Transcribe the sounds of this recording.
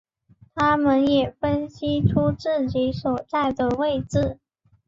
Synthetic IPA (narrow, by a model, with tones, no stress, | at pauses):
t̪ʰa˥mə˨njɛ˨˩fə˥nɕi˥ʈ͡ʂʰu˥ʈ͡ʂɻ̩˥˩t͡ɕi˧˥swɔ˨˩t͡sa˥˩ɪd̪ə˩we˥˧ɪt͡sɹ̩˥˩